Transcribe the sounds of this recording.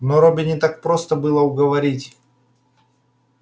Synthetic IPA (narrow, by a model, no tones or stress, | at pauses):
noɾobʲɪnʲɪt̪ak̚pɾo̞st̪əbɨlˠəʊɡəvɐɾʲitʲ